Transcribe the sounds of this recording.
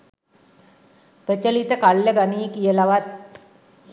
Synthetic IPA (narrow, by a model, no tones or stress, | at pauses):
pət͡ʃəlit̪əkalːəɡaniːkijəlaʋat̪̚